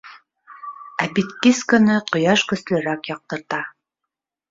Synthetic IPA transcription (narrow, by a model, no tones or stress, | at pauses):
æbit̪kiskɤ̆nɤqŏjɑʃkɵ̆slɘ̆ɾækjɑq̚t̪ɤ̆ɾt̪ɑ